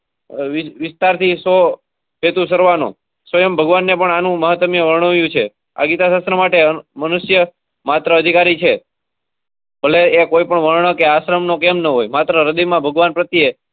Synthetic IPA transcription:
ʋɪʋɪst̪aɾt̪ʰiso | pet̪usəɾʋanõ̰ | sʋəjəmbʱəɡʋanːepəɳanũməɦət̪ːəmjəʋəɾɳəʋjũt͡ʃʰe | a̰ɡit̪asast̪ɾəmaʈemənuʃjə | mat̪ɾəːd̪ʱikaɾit͡ʃʰe | bʱəleːkoipəɳʋəɾɳ̃əkeaʃɾəmnokemnəɦojmat̪ɾəɾəd̪imãbʱəɡʋanpɾət̪ie

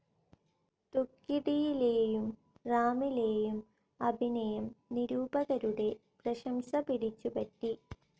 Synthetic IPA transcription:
t̪ukːiɽijileːjum | raːmileːjum | ɐbʱinɐjɐmniɾuːbɐɣɐɾuɽe̞prɐɕɐmɕɐpiɽit͡ɕːupɐʈːi

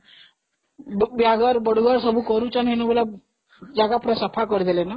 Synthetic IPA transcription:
bjaɡaɾbəɽuɡaɾsəbʱuːkəɾut͡ɕanenubla | d͡ʑaɡapuɾasəpʰakəɾd̪elena

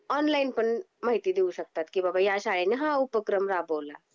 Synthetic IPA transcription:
ɔnlainpəɳ | maɦit̪iːd̪euɕək̚t̪at̪kiːbabajaɕaɭeneɦãupəkɾəmɾabola

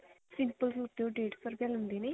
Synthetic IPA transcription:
sɪmpəlsuːt̪ːeõːɖeːʈsəɾbaːlɦʊ̃nd̪eːneː

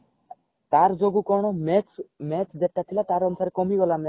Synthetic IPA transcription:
t̪aɾd͡ʑoɡukɔnommɛt͡ɕd̪eʈːat̪ʰilat̪aɾɔnusaɾekomiɡɔlamɛ

